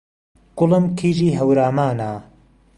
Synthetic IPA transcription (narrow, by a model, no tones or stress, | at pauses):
ɡ̥ʊləmkʰiːʒiːɦɐwɾaːmaːna